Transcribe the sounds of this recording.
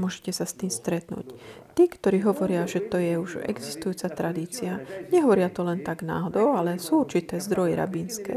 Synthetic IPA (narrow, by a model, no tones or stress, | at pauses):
mʊɔʒɛcɛsast̪iːmst̪ɾɛt̪nṵːct̪iːkt̪ɔɾiːɦɔʋɔɾɪaʒɛt̪ɔjɛuʒɛ̰ɡzist̪ujuːt͡sat̪ɾad̪iːt͡siaɲɛɦɔʋɔɾɪat̪ɔlɛnt̪aɡna̰ːɦɔd̪ɔʊalɛsuːuɾt͡ʃit̪ɛːzd̪ɾɔjɛɾa̰binskɛ̰ː